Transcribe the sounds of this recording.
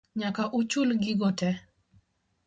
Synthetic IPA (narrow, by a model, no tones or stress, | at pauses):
ɲakaʔut͡ʃulɡɪɡɔtɛ